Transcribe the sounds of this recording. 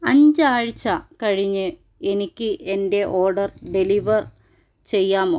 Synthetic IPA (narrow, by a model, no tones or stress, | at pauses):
ɐɲd͡ʑɨaːɻit͡ɕːɐkɐɻiɲːɨ | e̞nikʲːɨʔe̞nde̞ʔo̞ːɖɐrɖe̞liʋɐr | t͡ɕe̞jːaːmoː